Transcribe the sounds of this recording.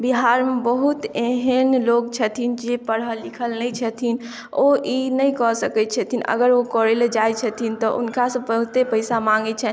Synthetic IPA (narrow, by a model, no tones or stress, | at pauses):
biɦaɾmebəɦut̪eɦənlokt͡ʃʰət̪ʰind͡ʒepəɽəlikʰəlnəjt͡ʃʰət̪ʰin | oʔinəjkɔsəkɛtt͡ʃʰət̪ʰinə̰ɡəɾokɔɾeled͡ʒajt͡ʃʰət̪ʰint̪ɔʔṵnkasə̃pəɦut̪epəɪsamaŋɡɛt͡ʃʰɛ